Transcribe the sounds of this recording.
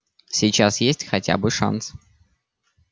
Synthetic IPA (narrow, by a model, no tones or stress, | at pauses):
sʲit͡ɕasjesʲtʲxɐtʲa̰bɨʂa̰ns